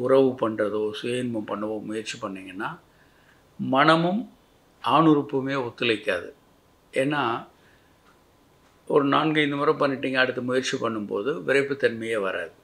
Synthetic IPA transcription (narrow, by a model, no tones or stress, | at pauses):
ʊrɐʋɯpɐɳrɐðoːsʊjeːnmɐmpɐɳːɐʋoːmʊjɐɾt͡ʃipɐɳːiːŋɡɐnːaː | mɐnɐmɯm | aːɳɯɾɯpːɯmeːɔt̪ːɯlɐɪkːaːðɯ̰ | eːnːaː | ɔɾɯnaːnɡɐɪnd̪ɐmɐːɾɐ̃pɐɳːɪʈːiːŋɡɐːɽɯt̪ːɯmʊjɐɾt͡ʃipɐɳːɯmpo̰ːðɯʋɪɾɐɪpːɯt̪ɐnmɐjɐʋɐɾʔa̰ːðɯ